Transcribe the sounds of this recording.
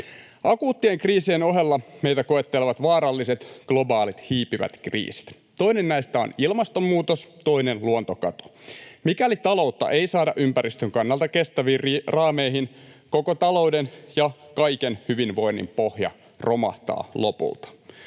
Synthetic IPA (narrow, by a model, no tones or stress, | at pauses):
ʔɑkuːt̪ːieŋkriːsieno̞ɦe̞lːɑme̞ijt̪ækoe̞t̪ːeleʋɑt̪ʋɑːɾɑlːise̞t̪ɡ̥lo̞bɑːlit̪hiːpiʋæ̰t̪krḭːsi̥t̪ | t̪o̞inennæist̪æo̰nilmɑst̪omːuːt̪ost̪oinenluont̪okɑt̪o̥mikælit̪ɑlo̞uwt̪ːɑ̰ʔe̞isɑːdɑʔympæɾist̪øŋkɑnːɑlt̪ɑke̞st̪æʋiːrɑːmeiɦinkokot̪ɑlo̞wdenjɑkɑjkenhyʋinʋo̞inːḭmpohjɑ̰ | ro̞mɑ̰ht̪ɑ̰ːlo̞pṵlt̪ɑ̥